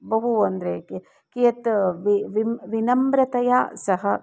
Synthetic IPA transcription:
bɐɦuɐnd̪ɐɾe | kijɐt̪ʋiʋimʋinɐmbɾɐt̪ɐjaːsɐɦɐ

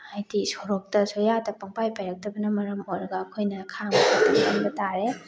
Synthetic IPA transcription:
ajdisoɾok̚tɐsojadɐpɐŋpajpajɾɐk̚tɐbɐnɐmɐɾɐmojɾɐɡɐːkʰojnɐkʰaŋbɐkatʰɐmkɐnbɐtaɾe

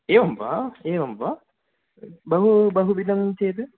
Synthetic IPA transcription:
eːʋɐmpa̰eːʋɐmpa | bɐɦubɐɦubid̪ɐmt͡ʃejt̪ɨ

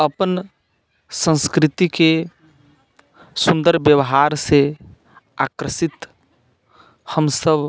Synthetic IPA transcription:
əpən | sə̃nskɾɪt̪ike | sũnd̪əɾbjəwɦaɾse | akɾəsit̪ | həmsəb

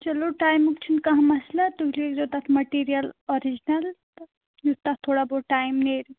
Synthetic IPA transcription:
t͡ʃɐloʈajmukt͡ʃʰunkɐɦmɐslat̪uɦiliekd͡ʒot̪at̪ʰmɐʈiɾijəlɔɾid͡ʒinɐl | jut̪at̪ʰːoɽaboʈajmneɾ

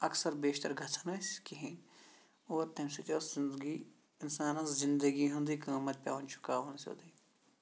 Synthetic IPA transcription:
ɐksɐɾbeːʃt̪ɐɾɡʱɐt̪ʰɐnɐskiɦĩ | oːɾt̪ɐ̃msut͡ʃ̪oːszɪnd̪ɡi | ɪnsaːnɐ̃szɪ̃nd̪əɡiɦũnd̪iːkaːmɐt̪̚pʲa̰ːʋɐnt͡ʃʰʊ̥kaːʋɐnso̰ːd̪i

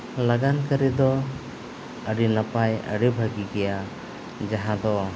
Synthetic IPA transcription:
laɡankəɾid̪ɔ | əɖinapajə̰ɽibʱəɡiɡɛja | d͡ʒaɦãd̪ɔ

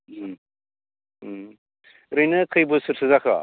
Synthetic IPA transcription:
ɾɯjnɯkʰɯjbɯsɯɾsʰɯzakʰa̰

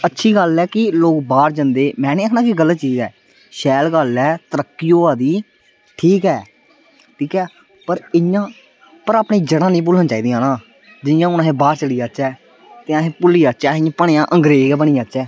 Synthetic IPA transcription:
ətːʃʰiːɡəlɛːkɪloːkbaːɾd͡ʒənd̪eːmɛ̃ːnẽːakʰnaːkɪɡəlːət̪t͡ʃiːzɛː | ʃɛːlɡəlɛːt̪əɾəkːijoːaːd̪iː | ʈʰiːkɛː | ʈʰiːkɛː | pəɾɪjãː | pəɾaːpɳẽːd͡ʒəɽãːnĩːp̬ʊlːənːt͡ʃaːiːd̪iːãːnãː | d͡ʒɪjãːʊnaɦẽːbaːɾt͡ʃəliːaːt͡ʃɛː | t̪ẽːəɦẽːpʊliːaːt͡ʃɛːɪ̃ãːpəɳ̃eːãːʔə̃ŋɡɾeːɡɛːbəɳĩːaːt͡ʃɛː

